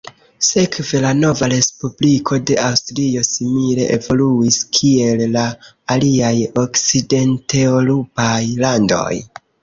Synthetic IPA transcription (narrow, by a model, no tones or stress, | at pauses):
se̞kve̞lano̞vaɾe̞spublikʰo̞de̞ʔawstɾio̞simile̞̰ʔevo̞luiskʰie̞lːaː | liajo̞kt͡side̞nte̞olupajlando̞̰j